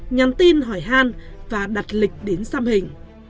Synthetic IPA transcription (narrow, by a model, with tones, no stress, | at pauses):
ɲa˨˩nt̪i˧nɦɔ˧˩jɦaː˧nvaː˨˩ɗa˨˩t̚lï˨˩k̟̚ɗe˨˦nsaː˧mhï˨˩ŋ̟